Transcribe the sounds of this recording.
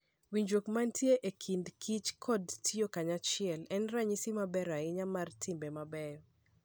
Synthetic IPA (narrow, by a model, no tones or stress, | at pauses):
wiɲd͡ʒwokmantʰjeʔekʰindkʰit͡ʃkʰɔdtʰiokaɲat͡ʃɪɛlɛnraɲisimabɛɾaɪɲamartʰimbemabɛjɔ